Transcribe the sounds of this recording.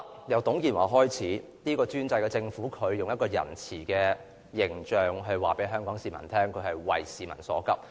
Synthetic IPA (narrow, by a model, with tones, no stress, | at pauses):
jɐ˨˧wt̪ʊ˨˥ŋkiː˨˩nwa̰ː˨˩ɦɔː˥jt͡sʰiː˨˥ | niː˥kɔː˧t͡syː˥nt͡sɐ˧jkɛː˧t͡sɪ˧ŋfuː˨˥kʰɵ˨˧ɥjʊ˨ŋjɐ˥t̚kɔː˧jɐ̰˨˩nt͡sʰiː˨˩kɛː˧ | jɪ˨˩ŋt͡ʃœː˨ŋɦɵ˧ɥwaː˨˩pe˨˥jɦœː˥ŋkɔː˨˥ŋsiː˨mɐ̰˨˩nt̪ʰɛː˥ŋkʰɵ˨˧ɥhɐ˨jwɐ˨jsiː˨mɐ˨˩nsɔ̰ː˨˥kɐ˥p̚